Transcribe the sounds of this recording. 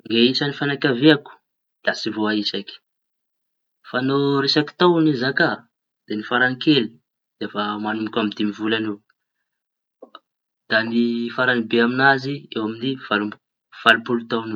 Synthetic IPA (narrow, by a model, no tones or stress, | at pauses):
ŋɡeisanifanakʲaveaku̥ | d̪̥asivoaisaki̥ | fanoɾesaki̥t̪awnizaka | d̪̥enifaɾaŋkeli | d̪̥efamanumikʲamid̪imivulanew | d̪̥anifaɾanibeaminaziewaminiv̥al | v̥alupulut̪awne